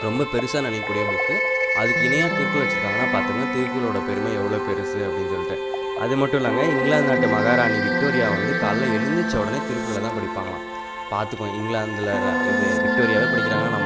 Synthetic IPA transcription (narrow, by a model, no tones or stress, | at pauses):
ɾɔmbɐpɛɾɯsaːnɐnɪkːɐːuːɽɐjɐʋɐnɯkːɯʔɐðɯkːɪnɐjaːkɪʈːɯʋɐt͡ʃːɯkːaːŋɡɐnːaːpaːɾt̪uŋɡaːt̪ɪɾɯkɯɣɐɭoːɽɐpɛɾɯmɐɛʋːɐɭoːpɛɾɯsɯɐpːɐɽɪnːɯsɔlːɪʈːɐ̃ | ʔɐðɯmɐʈːʊ̃laːŋɡɐɪŋɡɭaːnd̪naːʈːɯmɐɣaːɾaːniʋɪk̚ʈoːɾɪjaːʋɐnd̪ɯt̪ɐlːɐɛɽɯnd̪ɯt͡ʃːɐʊɽɐneːt̪ɪɾɯkːɯɣɐɭɐt̪ːãːkɐɽɪpːaːŋɡɐɭã̰ː | paːɾt̪ɯkːõɪŋɡɭaːnd̪ɯlɐ̰ʋɪk̚ʈoːɾɪjaːʋepɐɽɪkːɪɾaːŋɐnːaːnɐmː